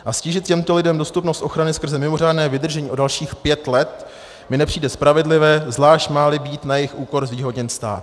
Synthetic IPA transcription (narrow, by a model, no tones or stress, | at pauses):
ʔasciːʒɪt̪cɛmt̪o̞lɪdɛmdo̞st̪upnost̪ʔo̞xɾanɪskr̩zɛmɪmo̞r̝aːdnɛːvɪd̪r̩ʒɛɲiːʔo̞dalʃiːxpjɛt̪lɛt̪ | mɪnɛpr̥iːdɛspɾavɛdlɪvɛːzlaːʃt̪maːlɪbiːt̪najɪxʔuːko̞ɾzviːɦo̞dɲɛnst̪a̰ːt̪